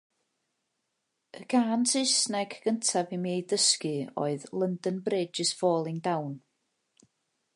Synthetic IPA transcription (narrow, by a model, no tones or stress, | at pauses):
əɡ̥aːnsʰɨsnɛɡ̥ɡəntʰabimeːdəskɨɔ̰ɨðlˠəndənbreːdd͡ʒəsvɔːlˠɪŋdawn